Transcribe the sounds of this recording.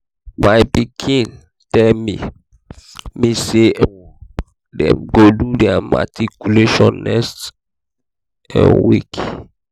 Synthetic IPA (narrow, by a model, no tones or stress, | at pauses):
maɪpikʰĩn | tɛlmi | mise | dɛ̰̃mɡodudɛama̰tʰikjuleʃɔ̃nːɛkst | ɛ̰̃nwḭk